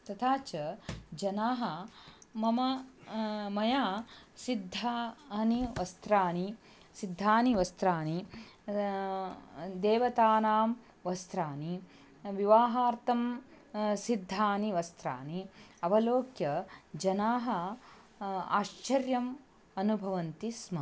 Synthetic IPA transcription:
t̪ɐt̪ʰaːt͡ʃɐd͡ʒɐnaːɦɐmɐmɐ | mɐjaːsid̪ʱːaːɐniʋɐst̪ɾaːni | sid̪ʱːaːniʋɐst̪ɾaːni | d̪eːʋɐt̪aːnaːm | ʋɐst̪ɾaːni | ʋiʋaːɦaːɾt̪ʰɐm | sid̪ʱːaːniʋɐst̪ɾa̰ːniɐʋɐloːkjɐd͡ʒɐnaːɦɐ̆ | a̰ːʃt͡ʃɐɾjɐm | ɐnubʱɐʋɐnt̪ismɐ

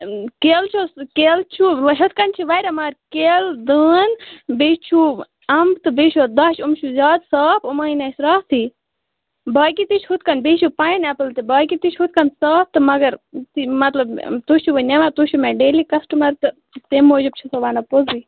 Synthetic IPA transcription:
keːlt͡ʃʰokeːlt͡ʃʰulɐɦɐt̪̚kɐnt͡ʃʰiʋɐjɾʲɐmaːɾkeːld̪əːnbeːʃt͡ʃʰu | ɐmbt̪ɨbeːʃoːd̪ɐʃumt͡ʃʰuzʲaːd̪saːpʰumaːinɐsɾaːt̪ʰiː | baːk̬it̪it͡ʃʰhut̪̚kɐnbeːʃʰupajnɐpɨlt̪ibaːkit̪it͡ʃʰhut̪̚kɐnsaːp̚t̪ɨmɐɡɐɾt̪imɐt̪lɐbt̪ut͡ʃʰuʋonʲeʋat̪uʃʰumeɖeːliːkɐsʈumɐɾt̪ɨ | t̪emːoːd͡ʒɨb̚t͡ʃʰusɐʋaːnɐpoziː

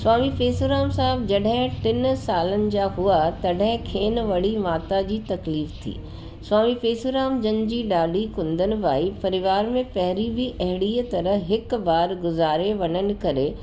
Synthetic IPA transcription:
sʊaːmifeːsoɾaːmsaːɦɪbd͡ʑɐɗɦɪ̃ʈɪnsaːlənɪ̆d͡ʑaːɦuat̪ɐɗɦɪ̃kʰeːnʋɐɽ̤imaːt̪ad͡ʑiːt̪ɐkliːft̪ʰḭː | swaːmifeːsoɾaːmd͡ʑɐnd͡ʑiːɖaːɖʱikʊ̃nd̪ənɪ̆ʋaːipɐɾɪʋaːɾmẽpɐɦɪɾibʱiʔɐɦɪɽiːət̪ɐɾəɦɦɪkbaːɾɡʊzaːɾeʋɐnənɪ̆kɐɾe

